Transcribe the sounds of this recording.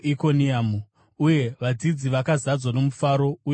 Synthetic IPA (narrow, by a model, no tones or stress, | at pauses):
iko̞niamu | uje̞ʋad͡zid͡ziʋakazad͡zwano̞mufaːɾo̞uj